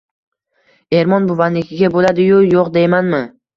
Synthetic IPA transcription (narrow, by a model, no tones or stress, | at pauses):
e̞ɾmɒnbʊvanlɪkʲʰɪɡʲabolad̪ɪjʊjoqd̪e̞jmanmɪ